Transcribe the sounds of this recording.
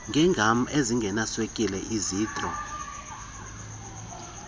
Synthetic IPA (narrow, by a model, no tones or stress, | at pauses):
ŋɡʱɛŋɡʱam̩eziŋɡʱɛnaswekʼilɛʔiziːtʼrɔ